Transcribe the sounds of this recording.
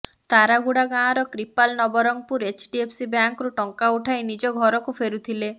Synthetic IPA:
t̪aɾaɡuɽaɡãɾɔkɾipalnɔbɔɾɔŋpuɾet͡ʃɖiepʰsibjaŋkɾuʈɔŋkauʈʰajnid͡ʒɔɡʱɔɾɔkupʰeɾut̪ʰile

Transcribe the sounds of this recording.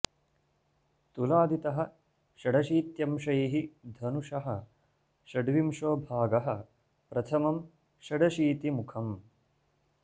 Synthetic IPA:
t̪ulaːd̪it̪ɐɦɐ̆ | ʃɐɖɐʃiːt̪jɐmʃɐjiɦid̪ʱɐnuʂɐɦɐ̆ | ʃɐɖʋimʂoːbʱaːɡɐɦɐ̆ | pɾɐt̪ʰɐmɐm | ʃɐɖɐʃiːt̪imukʰɐm

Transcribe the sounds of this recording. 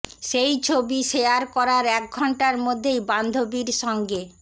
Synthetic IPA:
ʃejt͡ɕʰobiʃeaɾkɔɾaɾɛk̚ɡʱɔɳʈaɾmod̪ʱːejband̪ʱobiɾʃɔŋɡe

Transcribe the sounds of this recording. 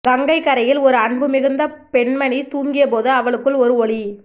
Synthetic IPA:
kɐŋɡɐɪkːɐɾɐjɪlɔɾɯɐɳbɯmɪɣɯnd̪ɐpɛɳmɐɳit̪uːŋɡɪjɐpoːðɯɐʋɐɭɯkːɯɭɔɾɯɔɭi

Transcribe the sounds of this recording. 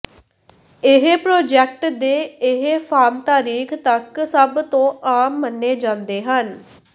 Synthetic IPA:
ɪɦpɾoːd͡ʒɛːk̚ʈd̪eːɪɦepʰaːɾmt̪aːɾiːkʰt̪əksəbt̪õːʔaːmːənːeːd͡ʒãːnd̪eːɦən

